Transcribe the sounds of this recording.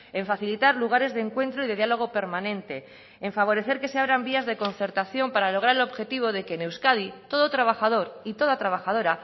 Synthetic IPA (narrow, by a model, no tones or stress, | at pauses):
e̞ɱfaθilit̪aɾluɣ̞aɾe̞zðeŋkwe̞nt̪ɾoiðe̞ðialo̞ɣ̞o̞pe̞ɾmãnẽ̞nt̪e̞ː | ɱfaβ̞o̞ɾe̞θe̞ɾke̞se̞aβɾambiazðe̞ko̞nθe̞ɾt̪aθjo̞mpaɾalo̞ɣ̞ɾaɾe̞loβxe̞t̪iβ̞o̞ðe̞keːnewskaðit̪o̞ðot̪ɾaβ̞axað̞o̞ɾit̪o̞ðat̪ɾaβ̞axaðo̞ɾa